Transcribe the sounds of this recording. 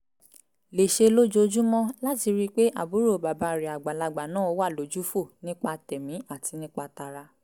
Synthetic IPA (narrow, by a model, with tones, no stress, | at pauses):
le˨ʃe˧lo˦d͡ʒo˧d͡ʒu˦mɔ̃˦la˦ti˧ɾi˦k͡pe˦ʔa˨bu˨˦ɾo˦˨ba˨ba˧ɾi˨a˨ɡ͡ba˨la˧ɡ͡ba˨nãː˦˨o˧˦wa˦˨lo˨˦d͡ʒu˦fo˦˨nĩ˦k͡pa˧tɛ˨mĩ˨˦a˦˨ti˧nĩ˦k͡pa˧ta˧ɾa˧